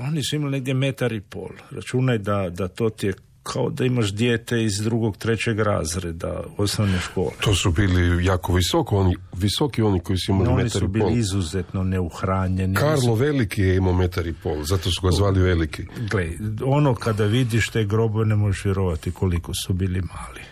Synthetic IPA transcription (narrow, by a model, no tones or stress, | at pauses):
o̞nisuimalineɡ̚d̪jeme̞t̪aɾipo̰ːlˠɾa̰t͡ʃunajd̪ad̪at̪o̞t̪ie | kʰaod̪aimaʃd̪jeːt̪e̞izd̪ɾuɡo̞ɡt̪ɾe̞t͡ɕe̞ɡɾa̰zɾed̪a̰od̪snoʋneʃko̰ːlet̪oːsubiːlijaːkoʋisokooniʋisokioniko̞isuimaliomenit̪aɾuibiliizuzet̪no̞ne̞uxɾaːɲe̞nikaɾloʋelikijeimomet̪aɾipoːlzat̪osuɡazʋaːliʋelikiɡleo̞no̞kad̪aʋid̪iʃt̪e̞ːɡɾo̞boʋe̞ne̞mojeʃʋjeɾo̞ʋat̪iko̞liko̞subiːlimaːli